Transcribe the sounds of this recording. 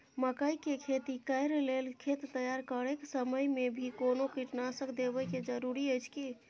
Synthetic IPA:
məkəjkekʰet̪ikəjɾlelkʰet̪t̪əjaɾkəɾeksəməjmebʱikonokiʈnasəkd̪ebəjked͡ʒəɾuɾiəjt͡ʃʰki

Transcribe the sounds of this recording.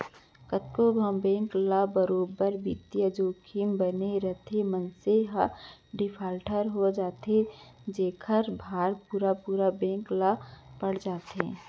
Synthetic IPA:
kət̪kobʱə̃mbẽːŋklabəɾoːbəɾbit̪jəd͡ʒoːkʰimbəneɾət̪ʰemənseɦaɖɪpʰaːlʈəɾɦod͡ʒaːt̪ed͡ʒeːkʰəɾbʱaːɾpuːɾapuːɾabẽːŋklapəɽ̤d͡ʒaːt̪ɦḛ̃

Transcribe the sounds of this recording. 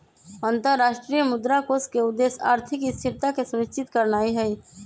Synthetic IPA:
ə̃nt̪əɾːaːʃʈɾijəmʊd̪ɾakoskeʊd̪ːeːsa̰ːɾt̪ʰɪkɪst̪ʰɪɾt̪akesʊmɪst͡ʃɪt̪kəɾnaːiɦɛi

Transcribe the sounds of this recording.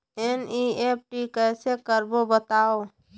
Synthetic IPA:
enieːp̚ʰʈikɛːsekəɾbobət̪aːo

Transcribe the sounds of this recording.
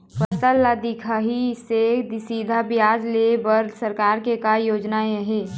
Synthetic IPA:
pʰəsəlːad̪ɪkʰaɦised̪siːd̪ʱabɪjaːd͡ʒlebəɾsəɾkaːɾkekajoːd͡ʒnaeəɦeː

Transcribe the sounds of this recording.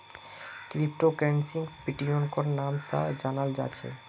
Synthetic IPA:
k̪ɾipʈokɾensiŋpiʈionkoɾnamsa̰d͡ʑanald͡ʑa̰t͡ɕʰḛ

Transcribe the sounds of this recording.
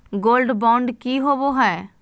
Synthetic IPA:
ɡoːlɖbɔ̃ːɳɖkiːɦoːʋoɦɛː

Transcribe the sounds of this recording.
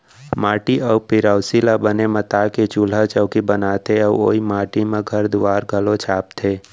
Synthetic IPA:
maːʈiʔəwpɪɾaːsilabənemət̪aːket͡ʃul̤at͡ʃəːkibənaːt̪ʰeəo̰ːimaːʈimẽɡʱɐɾd̪ʊaːɾɡʱəlõt͡ʃʰaːp̚t̪ʰeː

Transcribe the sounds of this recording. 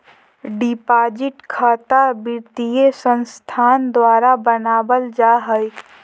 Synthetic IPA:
ɖɪpaːd͡ʒɪʈkʰaːt̪abɪɾt̪ijesə̃nst̪ʰaːnd̪waːɾabənaːbəld͡ʒaːɦəj

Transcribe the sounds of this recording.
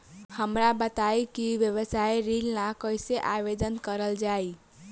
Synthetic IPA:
həmɾabət̪aikiʋjəʋəsaiɾilnakəiseʔaʋed̪ənkəɾəld͡ʒai

